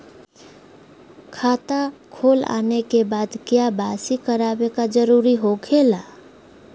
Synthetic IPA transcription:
kʰat̪akʰola̰nekebad̪kjabasikəɾabekad͡ʒəɾuɾiɦoɡʰela

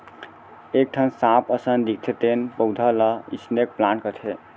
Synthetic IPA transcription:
ek̚ʈʰənsãpʰəsənd̪ik̚ʰt̪ʰet̪enpəwd̪ʱələḭsnek̚plankət̪ʰe

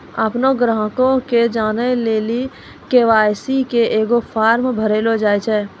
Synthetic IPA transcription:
apnoɡɾãɦkõked͡ʒaːnəleːli | keːʋaːjsikeʔeːɡopʰaːɾmbʱəɾeːlod͡ʒaːet͡ʃʰɛː

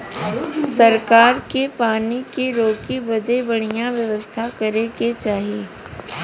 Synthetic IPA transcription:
sɐɾkaːɾkepaːnikiɾoːkibɐd̪ebɐɽ̤̃ijãʋjɐʋəst̪ʰakɐɾeket͡ʃaːɦijeː

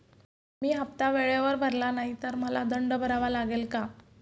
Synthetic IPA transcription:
miːɦap̚t̪aʋeɭeʋəɾbʱəɾlanaɦit̪əɾməlad̪əɳɖbʱəɾaʋalaɡelka

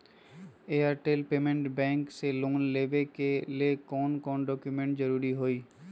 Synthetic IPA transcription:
eːəɾʈeːlpeːmẽɳʈbɛ̃ːŋkselʊ̃ːŋnleːʋekeliekɔːnkɔːnɖɔːkjʊmẽɳʈd͡ʒəɾuːɾiɦoːiː

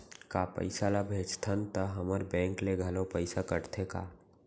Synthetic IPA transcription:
kapə̰ɪsalabʱeːd͡ʒt̪ʰənt̪əɦəməɾbɛ̃ːŋkleɡʱɐlopəɪsakəɽt̪ʰeka̰ː

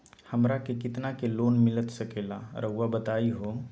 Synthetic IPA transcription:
həmɾakekɪt̪nakeloːnmɪlət̪səkela̰ɾʔəɦʋabət̪aːiɦo

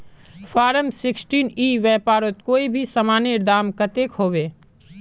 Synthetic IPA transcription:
fʰaːɾəmsɪksʈiːniːʋɛːpaːɾot̪̚koːibʱisɐmaːneɾd̪aːmkət̪eːkhoːʋeː

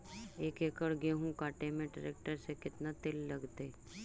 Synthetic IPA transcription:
eːkeːkəɽɡeɦũkaːʈemẽɖəɾeːk̚ʈəɾsekɪt̪nat̪ɪlːɐɡt̪eː

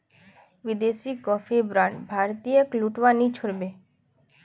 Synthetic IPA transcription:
bid̪esikɔfʰibɾaɳɖbʱaɾt̪ijəkluʈʋanit͡ʃʰoɽbe

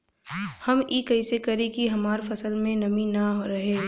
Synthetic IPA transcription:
hɐmiːkɐɪsekɐɾekiɦɐmaːɾfɐsəlmẽnɐmĩnaɦoɾɐɦeː

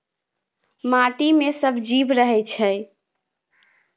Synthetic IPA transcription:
maʈimesəbʱd͡ʒibɾəɦɛt͡ʃʰɛj

